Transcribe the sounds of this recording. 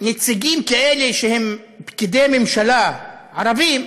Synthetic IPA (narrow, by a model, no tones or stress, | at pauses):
net͡siɡimkaeleʃehem | pkid̪ejmemʃalaʕaʁavim